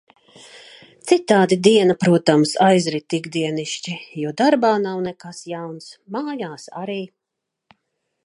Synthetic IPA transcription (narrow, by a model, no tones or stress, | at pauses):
t̪sit̪aːd̪id̪iɛnapɾuɔt̪amsajzɾit̪ːiɡd̪iɛniʃt͡ʃijuɔd̪aɾbaːnawnɛkasjawnsmaːjaːsa̰ɾiː